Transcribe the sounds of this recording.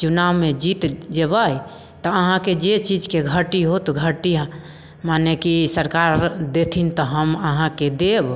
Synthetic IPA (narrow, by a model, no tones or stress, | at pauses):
t͡ʃunamed͡ʒit̪d͡ʒebəj | t̪ɔəɦãked͡ʒet͡ʃid͡ʒkeɡʱəʈiɦot̪ɡʱəʈi | manekisəɾkaɾd̪et̪ʰint̪ɔɦəməɦãked̪eb